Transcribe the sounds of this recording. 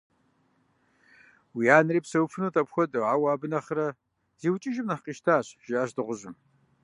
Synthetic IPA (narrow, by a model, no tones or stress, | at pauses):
wiaːnɨriːpsɐwfʰɨnuːtʰɐpxʷɔdʼɨʕawaːbɨnɐχɾɐ | ziːwt͡ʃʼɪʒɪmnɐħqiːʃtʰaːɕʒ̥ɪaːɕdɨʁʷʊʑɪm